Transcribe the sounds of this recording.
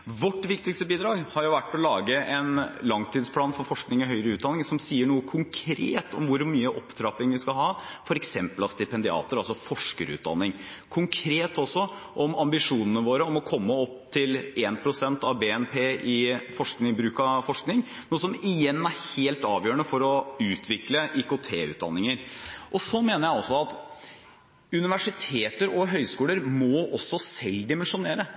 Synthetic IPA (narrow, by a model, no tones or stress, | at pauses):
ʋɔʈːʋɪkt̪ɪkst̪əbiːd̪ɾɑːɡhɑɾjʊʋæʈːɔlɑːɡəɛnlɑŋt̪ʰiːd̪spʰlɑːnfɔɾfɔʂknɪŋɔɦœʏɾəʉːt̪̚d̪ɑnːɪŋsɔmsiːəɳuːəkʰʊŋkʰɾḛːt̪ʰɔ̰mʋʊɾmyːəʔɔpd̪ɾɑːpɪŋʋɪskɑɦɑːfɔɾɛksɛmpəlɑst̪ɪpɛnd̪ɪɑ̰ːt̪əɾɑlsɔfɔʂkəɾʉ̰ːd̪ɑ̰nːɪŋ | kʰʊŋkʰɾeːt̪ɔsːɔʔɔmɑmbɪʂuːnənəʋoːɾəɔmɔkʰɔmːəɔp̚ːt̪ʰɪleːnpʰɾʊsɛnt̪ɑʋbeːɛnpʰeːʔɪfɔʂknɪŋbɾʉːkɑfɔʂknɪŋ | nuːəsɔmɪjɛnːæɾheːlt̪ɑːʋjøːəɳəfɔɾɔʉːt̪ʰʋɪkləʔɪkʊt̪ʰeːʉ̰ːd̪ɑ̰nːɪŋəɾʔɔsɔmeːnəɾjæɪɔsːɔɑt̪ | ʉnɪʋæʂɪt̪ʰeːt̪əɾɔɦœʏskuːləɾmɔʔɔsːɔsɛlːd̪ɪmɛnʂʊneːɾə